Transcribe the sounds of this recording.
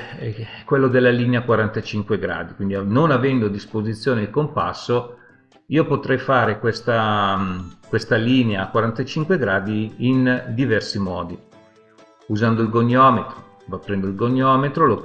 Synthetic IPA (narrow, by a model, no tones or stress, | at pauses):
ɛkːwelːod̪elːaliːneakwaɾant̪at͡ʃiŋkweɡɾa̰ːd̪ikwind̪ianonavɛnd̪oad̪ispozit̪sːjoːneilkompa̰sːo | iːopot̪ɾɛjfaːɾekwest̪a | kwest̪aliːneakwaɾant̪at͡ʃiŋkweɡɾaːd̪iːnd̪ivɛrsimɔ̰ːd̪i | uzand̪oilɡoɲːɔːmet̪ɾo | vapːɾɛnd̪oilɡoɲːɔːmet̪ɾolo